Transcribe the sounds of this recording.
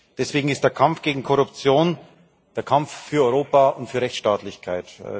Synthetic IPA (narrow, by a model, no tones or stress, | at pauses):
d̥ɛsv̥eːɡŋ̩ɪstd̥eːɐkʰamfɡ̥eːɡŋ̩kʰɔʁʊpt͡sjoːn | d̥eːɐkʰamffyːɐɔʏʁoːpaʊntfyːɐʁɛçt͡sʃtaːtlɪçkʰaɪt